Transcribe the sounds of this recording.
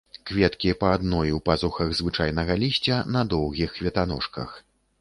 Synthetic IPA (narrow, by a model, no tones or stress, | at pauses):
kvʲɛt̪kʲipɐːd̪nɔjiwpazuxɐɣzvɨt͡ʂajnɐɣɐlʲisʲt͡sʲɐnɐd̪ɔwɣʲixːvʲɛt̪anɔ̰ʂkɐ̰x